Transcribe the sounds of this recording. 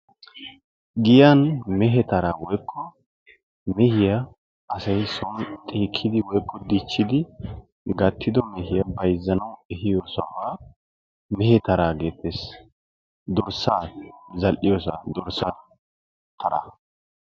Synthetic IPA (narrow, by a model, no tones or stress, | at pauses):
ɡɪjanmɛɦɛt̪ɐɾaːwɔjkʰːɔ | mɛhɪja | ʔɐsɐjsɔnt̪ʼiːkʰːɪd̪ɪwɔjkʰːɔd̪it͡ʃːɪd̪ɪ | ɡɐt̪ʰːɪd̪ɔmɛhɪjɐbɐjzːɐnɐwɛhɪjoːsʊa̰waː | mɛhɛt̪ɐɾaːɡe̞ːt̪ʰːes | d̪ɔɾsaːzɐlʔɪjoːsa̰d̪ɔɾsa | t̪ʰɐɾa̰